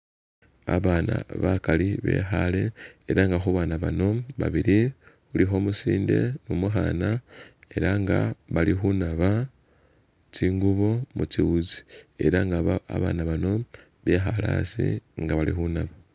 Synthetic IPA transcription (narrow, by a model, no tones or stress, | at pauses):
a̰βana̰βakaliβe̞̰ːxale̞eɾaŋɡaxuβaːnaβano̞βa̰βiɾi | ulixo̞ːmusiːnde̞̰mumuxanae̞ɾaŋɡaβalixunaβa | t͡ʃiːŋɡuβo̞mut͡ʃiwuzi̥e̞̰ɾaŋɡaβaa̰βa̰ːnaβano̞ | βe̞xalaːsḭŋɡaβalḭxunaβa